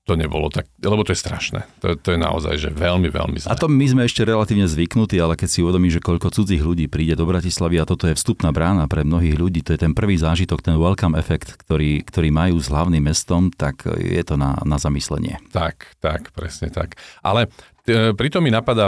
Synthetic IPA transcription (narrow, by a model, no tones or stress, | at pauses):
t̪ɔɲɛbɔlɔ̰t̪ak̚lɛbɔt̪ɔjɛst̪ɾa̰ʃnɛ̰t̪ɔ̰t̪ɔjɛna̰ɔ̰za̰jʒɛ̰ʋɛlmiʋɛ̰lmḭzlaɛt̪ɔmizmɛɛʃcɛɾɛlat̪iːʋɲɛzʋiknut̪iːalɛkɛcsiuʋɛd̪ɔmiːmʒɛkɔʎkɔt͡sud͡ziːɣʎuɟiːpɾiːɟɛd̪ɔbɾacislaʋiat̪ɔt̪ɔjɛfst̪upnaːbɾaːnapɾɛmnɔɦiːɣʎuɟiːt̪ɔjɛt̪ɛnpr̩ʋiːzaːʒit̪ɔkt̪ɛnwɛlkamɛfɛkt̪kt̪ɔɾiːkt̪ɔɾiːmajuːzɦlaʊnimːɛst̪ɔmt̪akjɛ̰t̪ɔna̰nazamislɛ̰ɲɪɛ̰t̪akt̪akpɾɛ̰sɲɛt̪a̰kʔa̰lɛ | pɾit̪ɔmːinapad̪a